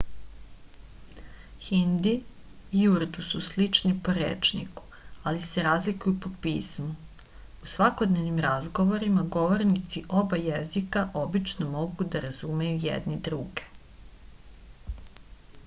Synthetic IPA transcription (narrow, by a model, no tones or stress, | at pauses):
xind̪i | iuɾd̪ususlit͡ʃnipo̞ɾḛːt͡ʃnḭku̥ | aliseɾaːzlikujupo̞piːsmu | usʋako̞d̪ne̞vnimɾazɡo̞ʋo̞ɾimaɡo̞ʋo̞ɾnit̪siʔo̞bajezikaʔo̞bit͡ʃnomo̞ɡud̪aɾazumejujḛd̪nid̪ɾuɡe̞̥